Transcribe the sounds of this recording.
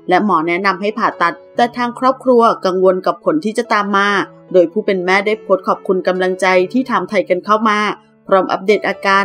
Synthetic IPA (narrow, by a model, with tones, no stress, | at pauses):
lɛ˦˥mɔː˩˦nɛ˦˥na˧mɦa˥˩jpʰaː˨˩t̪a˨˩t̪̚ːɛː˨˧˩t̪ʰaː˧ŋkʰɾɔː˥˩p̚kʰɾu˧ɐka˧ŋwo˧nka˨˩p̚kʰo˩˦nt̪ʰiː˥˩t͡ɕa˨˩t̪aː˧mːaː˧ | doː˧jpʰuː˥˩pe˧nmɛː˥˩daː˥˩jpʰo˦˥t̪̚kʰɔː˨˩p̚kʰu˧nka˧mla˧ŋt͡ɕa˧jt̪ʰiː˥˩t̪ʰa˧mt̪ʰa˧jka˧nkʰa˥˩wmaː˧ | pʰɾɔː˦˥mʔa̰˦˥p̚deː˨˩t̪̚ʔaː˧kaː˧